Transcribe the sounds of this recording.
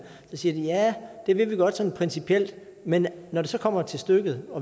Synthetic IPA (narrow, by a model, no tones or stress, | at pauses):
sɒ̽siːɐd̥ijæd̥e̝ʋe̝ʋiɡ̥ɒ̽d̥sɒ̽npʰʁɛnsipʰiel̰d̥ | menːɒd̥e̝sɒ̽kʰɒ̽m̰ɐt͡sʰe̝lsd̥øɡ̥ð̩ˠɒ̽